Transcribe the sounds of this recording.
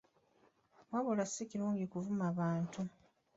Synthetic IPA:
mwaβolasːiciɾuːŋɟikuvumaβaːntu

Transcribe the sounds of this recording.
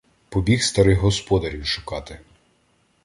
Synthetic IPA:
pɔbʲixst̪ɐɾɪɣɦɔspɔd̪ɐɾʲiwʃʊ̥kɑt̪ɪ

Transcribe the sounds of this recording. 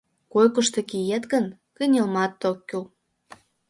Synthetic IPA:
kojkə̆ʃt̪ĕkijet̪ɡə̆n | kə̆nʲĕlmɑt̪ːokʲːyl

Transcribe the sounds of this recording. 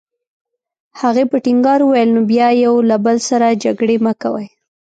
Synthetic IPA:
haɣepəʈɪŋɡɑɾuwajəlnobjɑjawlabəlsaɾad͡ʒaɡɽeməkawəj

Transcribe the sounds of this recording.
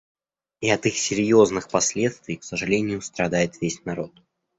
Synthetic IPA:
iɐt̪ɨxsʲɪɾʲjo̞znɨxpɐsʲlʲe̞t̪st̪vʲɪjksəʐɨlʲenʲɪjʊst̪ɾɐd̪ajɪt̪vʲesʲnɐɾo̞t̪

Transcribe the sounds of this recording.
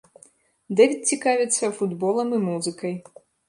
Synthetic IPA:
d̪ɛvʲit͡sʲikavʲɛt̪sːɐfud̪bɔlˠɐmɨmuzɨkɐj

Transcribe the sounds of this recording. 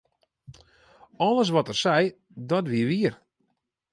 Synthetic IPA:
ɔləs̬ʋɔtərsɛj | dɔtʋiəʋiər

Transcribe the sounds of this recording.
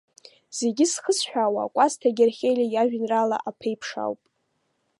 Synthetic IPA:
z̥e̞ɡʲɪsχəsħᶣawa̰kʷʼastʰaɡʲɪrχʲejlʲajaʒᶣnrala̰ʔapʰejpʰʂa̰wpʼ

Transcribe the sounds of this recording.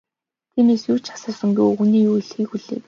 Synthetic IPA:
t̪ʰiːmeːsjuːt͡ɕḁsə̆ːsə̆ŋɡuxuniːujɮxiːkxuɮḛː

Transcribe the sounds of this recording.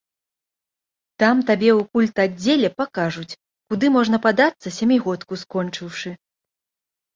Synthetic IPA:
t̪amt̪abʲɛwkulʲt̪add͡zʲːelʲɛpakaʐut͡sʲ | kud̪ɨmɔʐnɐpad̪at̪sːɐsʲamʲiɣɔt̪kuskɔnt͡ʂɨwʂɨ

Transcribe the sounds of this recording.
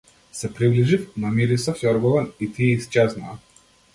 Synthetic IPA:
sɛpɾibliʒifnamiɾisaft̪ɔɾɡɔlɛnit̪iɛist͡ʃɛzna̰ː

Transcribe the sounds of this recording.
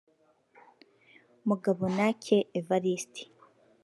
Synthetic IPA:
muɡaβonacʰeːvaɾisti̥

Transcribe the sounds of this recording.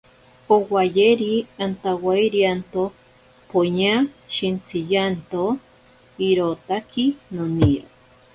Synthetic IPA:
owajeɾiant̪awaiɾiant̪o | poɲaʃint͡sʰijant̪o | iɾot̪akʰinoniɾo̰

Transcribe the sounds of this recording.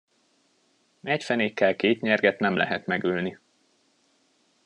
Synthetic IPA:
ɛcfɛneːkːɛlkeːt̪ɲɛrɡɛt̪nɛmlɛ̰ɦɛt̪mɛɡylni

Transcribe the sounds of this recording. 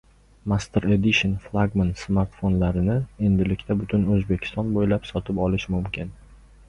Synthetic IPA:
mast̪ʰeɾed̪ɪʃonflˠaɡmansmaɾt̪fo̞nlaɾɪnɪe̞nd̪ɪlɪkʲt̪ʰabʊt̪ʰʊnɵzbekʲʰɪ̥st̪ɒnbojlapsɒt̪ʰɪpɒlɪʃmʊmkʲɪn

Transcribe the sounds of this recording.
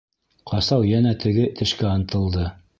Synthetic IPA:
qʰɑsɑwjænæt̪ɘ̆ɡɘt̪ɘ̆ʃkæɑnɤ̆t̪ɤ̆lˠd̪ɤ

